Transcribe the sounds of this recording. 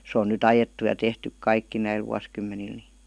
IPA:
sĕ on nyt ɑjetːu jɑ tehtyk kɑikːi næil ʋuɑskymːenil ni

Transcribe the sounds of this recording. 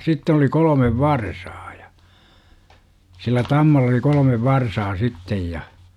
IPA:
sitːen oli kolomeʋ ʋɑrsɑː jɑ silːæ tɑmːɑlːɑ oli kolə̆meʋ ʋɑrsɑː sitːej jɑ

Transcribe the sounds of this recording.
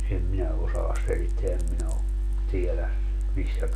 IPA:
em minæ osɑːs selitːeæ em minæ o tielæ misːæ

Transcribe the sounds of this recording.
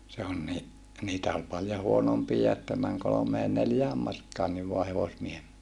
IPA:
se on ni niːtæ ol pɑljo huonompiːjɑ etːæ mæŋ kolomeː neljæː mɑrkɑːnːiʋ ʋoɑ heʋosmiehem

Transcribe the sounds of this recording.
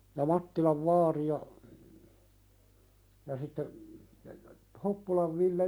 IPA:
jɑ mɑtːilɑʋ ʋɑːri jɑ jɑ sitːe hopːulɑʋ ʋilːe

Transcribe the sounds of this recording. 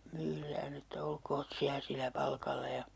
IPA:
myːræːn etːæ olkoːt siæ silæ pɑlkɑlːɑ jɑ

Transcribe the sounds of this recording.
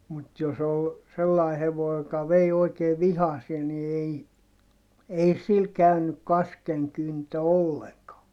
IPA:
mut jos ol selːɑi heʋoi jokɑ ʋei oikeː ʋihɑsie ni ei ei sil kæynyk kɑskeŋkyntø olːeŋkɑː

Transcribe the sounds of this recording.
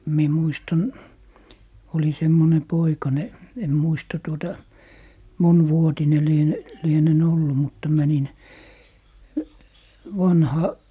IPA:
mie muistɑn oli semːone poikɑne en muistɑ tuotɑ monʋuotine liene lienen olːu mutːɑ mænin ʋɑnhɑ

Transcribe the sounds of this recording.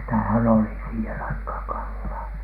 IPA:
sitæhæn oli siːhen ɑikhɑːŋ kɑlːɑː

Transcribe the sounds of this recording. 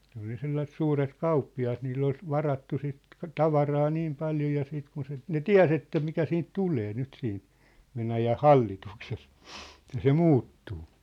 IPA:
ne ol jɑ selːɑsĕt suːret kɑupːiɑt nilː ol ʋɑrɑtːu sit tɑʋɑrɑː niːm pɑljo jɑ siːt kun se ne tiæ̝s etːæ mikæ siːnt tuleː nyt siːn ʋenæjæh hɑlːitukses ĕtːæ se muːtːuː

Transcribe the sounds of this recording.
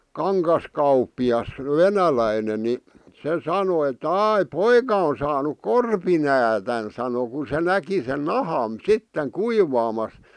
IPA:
kɑŋkɑskɑupˑiɑs ʋenælæinen ni se sɑno etːæ̆ ɑˑi poikɑ on sɑːnuk korpinæːtæn sɑno ku se næki sen nɑhɑˑn sitːeŋ kuiʋɑːmɑs

